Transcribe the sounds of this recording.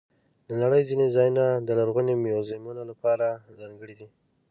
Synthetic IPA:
lənaɽəjzinezɑjunad̪əlaɾɣunemjozamunolapɑɾazɑŋɡəɽid̪i

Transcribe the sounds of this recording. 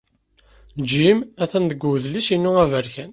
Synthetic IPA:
d͡ʒimæθænd̪əɡʷuðliʃinːuʁævəɾçæn

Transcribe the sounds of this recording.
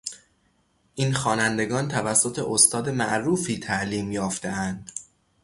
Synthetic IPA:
ʔiːnxɒːnænd̪e̞ɡɒːnt̪ʰævæsːo̞t̪ʰe̞ʔost̪ʰɒːd̪e̞mæʔɾuːfiːt̪ʰæʔliːmjɒːft̪e̞ʔænd̪̥

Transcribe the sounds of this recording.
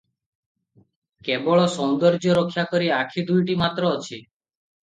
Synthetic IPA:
kebɔɭɔsɔnd̪ɔɾd͡ʒɔɾokʰːjakɔɾiakʰid̪ujʈimat̪ɾɔːt͡ʃʰi

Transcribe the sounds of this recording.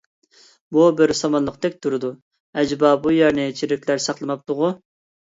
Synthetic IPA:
bubɪɾsɑmɑnlˠəqt̪ɛk̚ʲt̪ʰuɾɨd̪u | ɛd͡ʒbɑbujɛɾnɪt͡ʃʰiɾɪkʲlæɾsɑχlˠɨmɑp̚t̪ʊʁʊ

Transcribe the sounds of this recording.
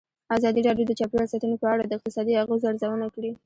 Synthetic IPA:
azɑd̪iɾɑɖjod̪ət͡ʃɑpjeasɑt̪ənopəaɽad̪əɪq̚t̪ɪsɑd̪iaɣuzaɾzawənakɽi

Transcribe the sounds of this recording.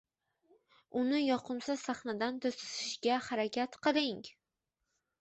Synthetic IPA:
ʊnɪjɒqʰɨmsasaχnad̪ant̪ʰosɪ̥ʃɪʃɡʲahaɾakʲʰat̪qʰɨɾɪŋ

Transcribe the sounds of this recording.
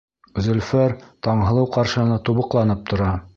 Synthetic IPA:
zɵ̆lfæɾt̪ɒɴɦɤ̆lˠɤwqɑɾʃɤ̆nɤt̪uβɤ̆qlˠɑnɤp̚t̪ŏɾɑ

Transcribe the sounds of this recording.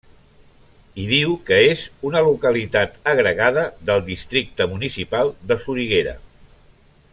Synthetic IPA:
iðiwkəezunəlukəlit̪at̪əɣɾəɣaðəðəlˠd̪ist̪ɾik̚t̪əmunisipalˠd̪əsuɾiɣeɾə̰

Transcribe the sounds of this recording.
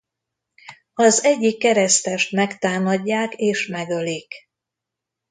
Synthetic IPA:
ɒzɛɟːikːɛɾɛst̪ɛʃt̪mɛkt̪aːmɒɟːaːkeːʃmɛɡø̞lik

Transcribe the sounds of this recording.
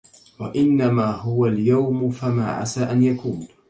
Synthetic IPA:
wa̰ʔɪnːamaːɦʊwaljawmʊfama̰ːʕa̰saːʔanjakuːn

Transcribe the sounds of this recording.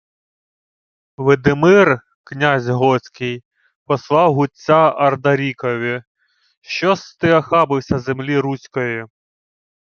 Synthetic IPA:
ʋɪd̪ɪmɪr | knʲazʲɦɔsʲkɪj | pɔslˠɑwɦʊtt͡sʲːaɐrd̪ɐɾʲikɔʋʲi | ʃt͡ʃɔst̪ɪɐxɑbɪwsʲɐzemlʲiɾusʲkɔjɪ

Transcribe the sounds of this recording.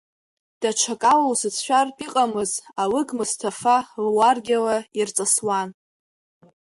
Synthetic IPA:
d̥at͡ʃʷʰakʼalowsɨt͡sʰʃʷᶣarpʼiqʼamɨzawɨɡmɨstʰafalwarɡʲalairt͡sʼaswan

